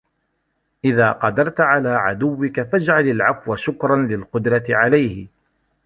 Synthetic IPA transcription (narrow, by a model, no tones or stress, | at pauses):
ʔɪðaːqɑd̪ɑɾˤt̪ʕalaːʕa̰d̪ʊwːɪkafad͡ʒʕalalʕafwaʃʊkɾˤɑnlɪlqʊd̪ɾˤɑt̪ɪʕalajhɪ